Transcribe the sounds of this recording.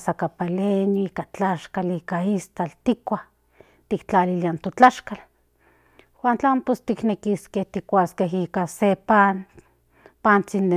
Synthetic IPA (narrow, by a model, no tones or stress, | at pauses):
sakapalenjoiːkat͡ɬaʃkaliːkaist̪alt̪ikʷah | t̪ikt͡ɬaliliant̪ot͡ɬaʃkal | want͡ɬampost̪iknekiskeht̪ikʷaskeɦiːkasepan | pant͡sind̪e